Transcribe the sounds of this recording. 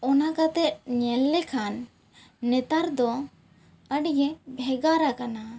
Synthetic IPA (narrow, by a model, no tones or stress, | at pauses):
ɔnakat̪ɛt̪̚ɲɛlːɛkʰanː | ɛt̪aɾd̪ɔ | əɖɡɛbʱɛɡaɾakana